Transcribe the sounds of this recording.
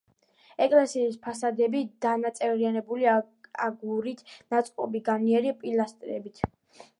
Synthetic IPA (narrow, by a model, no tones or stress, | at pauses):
ɛkʼlɛsiːspʰasad̪ɛbid̪̥anat̪sʼɛvɾianɛbuli | aɡuɾit̪ʰnat̪sʼkʼɔbiɡaniɛɾiapʼilast̪ʼɾɛ̰bit̪ʰ